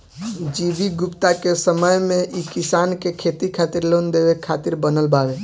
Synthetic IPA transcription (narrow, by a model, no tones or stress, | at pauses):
d͡ʒibiɡʊpt̪akesəməjmẽʔikisankekʰet̪ikʰat̪iɾlond̪ebekʰːat̪iɾbənəlbaɡe